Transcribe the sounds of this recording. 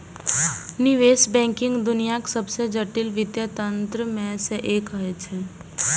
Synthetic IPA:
nɪʋeːsbɛ̃ːŋkɪ̃ŋɡd̪ʊnijaksɐbsed͡ʒɐʈɪlʋɪd̪jət̪ə̃nt̪ɾəmẽseʔeːkəɦet͡ʃʰɛː

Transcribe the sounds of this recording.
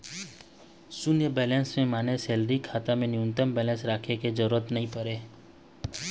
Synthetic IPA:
sʊnjəbɛːlɛ̃ːnsmẽmaːnesɛːlɾikʰaːt̪amẽnɪjʊnt̪əmbɛːlɛ̃nsɾaːkʰekezəɾuːɾət̪nɐɦĩpəɾeː

